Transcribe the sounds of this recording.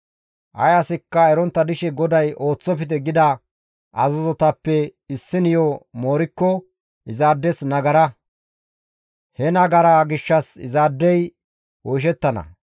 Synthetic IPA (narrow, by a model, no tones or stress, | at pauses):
ʔɐ̰jɐsɪkːɐɛɾɔnt̪ːɐd̪ɪʃɛɡɔd̪ɐjʔo̞ːt͡sːɔpɪt̪ɛɡɪd̪ɐ | ʔɐzɔzɔt̪ɐpːɛɪsːɪnɪjoːmoːɾɪkːɔ | ʔɪzaːd̪ːɛsnɐɡɐɾɐ | hɛnɐɡɐɾaɡɪʃːɐsɪ̰zaːd̪ːɛj | wɔjʃ̬ɛt̪ːɐnɐ̰